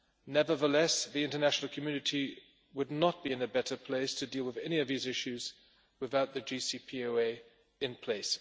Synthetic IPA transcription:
nɛvə˞ðəlɛsðiɪ̃ntənæʃn̩l̩ˠkʰəmjʉnɨtʰi | wədⁿnət̚b̥iɨ̃nɨbɛɾə˞pʰl̥eɪstʰɨdilˠwɨðɛniʌvðizɪʃʉz | wɨðaʊt̪̚ðɨd͡ʒisipʰioeɪ | ɨ̃npʰl̥eɪs

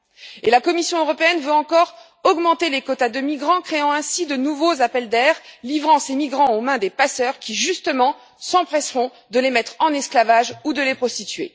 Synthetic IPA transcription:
elakɔmisjɔ̃øʁɔpeɛnvøɑ̃kɔʁ | ɔɡmɑ̃t̪elekɔt̪ad̪əmiɡʁɑ̃kχeɑ̃ɛ̃sid̪ənuvozapɛld̪ɛʁlivʁɑ̃semiɡʁɑ̃omɛ̃d̪epasœʁkʲiʒyst̪əmɑ̃ | sɑ̃pχɛsʁɔ̃ | d̪əlemɛt̪χɑ̃nɛsklavaʒud̪əlepχɔst̪it̪ɥḛ

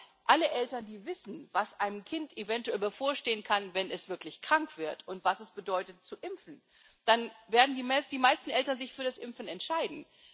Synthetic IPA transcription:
ʔaləʔɛltɐndiːvɪsn̩vasʔaɪnəmkʰɪntevɛntuɛlbɐfoːɐʃteːənkʰanvɛnɛsv̥ɪɐklɪçkʁ̥aŋkv̥ɪɐtʰʊntv̥asɛsb̥ədɔʏtətt͡suʔɪmfn̩ | d̥anveːɐdn̩dimsd̥iːmaɪstn̩ʔɛltɐnzɪçfyːɐɾasʔɪmfn̩ɛntʃaɪdn̩

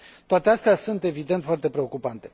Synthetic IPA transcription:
t̪oat̪east̪easunt̪e̞vid̪e̞nt̪foart̪e̞pɾe̞o̞kupant̪e̞

